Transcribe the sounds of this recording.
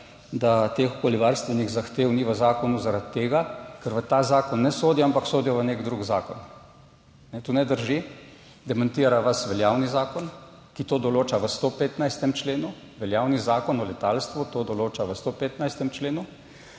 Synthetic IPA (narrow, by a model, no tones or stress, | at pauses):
d̪at̪exo̥koːliʋaɾst̪ʋɛniɣzaxt̪eːwniʋəzaːkɔnuzaɾat̪ːeːɡakəɾʋət̪aːzaːkɔnːɛsoːd̪iɔampaksoːd̪ijɔʋənekd̪ɾuɡzaːkɔn | nɛt̪unɛd̪əɾʒi | d̪ɛmant̪iːɾaʋasʋɛljaːwnizaːkɔn | kit̪oːd̪ɔloːt͡ʃaʋəst̪oːpeːt̪najst̪ɛmt͡ʃleːnu | ʋɛljawnizaːkɔnɔlɛt̪aːlst̪ʋut̪oːd̪ɔloːt͡ʃaʋəst̪opeːt̪najst̪ɛmt͡ʃleːnu